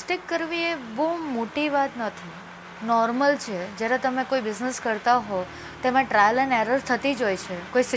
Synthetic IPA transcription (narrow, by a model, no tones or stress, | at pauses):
sʈikːəɾʋiebomoʈiʋat̪nət̪ʰi | nɔɾməlt͡ʃʰed͡ʒjaɾet̪əmekoibɪzneskəɾt̪aɦo | t̪emãʈɾajəlɛneɾəɾt̪ʰət̪id͡ʒojt͡ʃʰekois